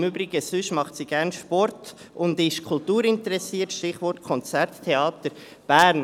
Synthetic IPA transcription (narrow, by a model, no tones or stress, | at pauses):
møːbɾɪɡəsʏʃmɑχtsiɡ̥æɾnʃpɔrt | ʊndɪʃkʰʊltuːɾɪntəɾɛsiːtʃtɪχʋɔɾtkʰɔnt͡sæɾttʰːeɑːtəɾ | b̥æːɾn